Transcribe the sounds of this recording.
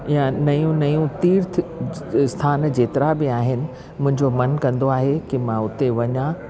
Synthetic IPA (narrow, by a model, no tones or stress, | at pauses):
jãnɐjũnɐjũt̪iːɾt̪ʰ | st̪ʰaːnd͡ʑeːt̪ɪɾabɪaːɦɪnɪ̆ | mʊ̃ɦɪ̃ɲd͡ʑomɐnkɐ̃nd̪oaːɦekɪmãʊt̪eʋɐɲã